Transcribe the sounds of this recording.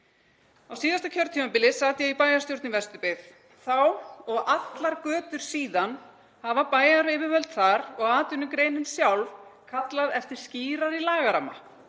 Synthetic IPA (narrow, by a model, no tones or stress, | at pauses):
awsiːðast̪acʰœɾt̪ʰːimapɪlɪsaːt̪jɛɣipaːjaɾst̪jowɾt̪nɪnvɛst̪ʏpɪð | θawɔɣat̪laɾkœːt̪ʏɾ̥siːðan | havapaːjaɾvɪːvɪvœlt̪θaɾɔɣaːt̪ʏnʏmkɾeːjnɪnsjawlvkʰat̪laðɛft̪ɪɾ̥sciːɾaɾilaːɣaɾamːa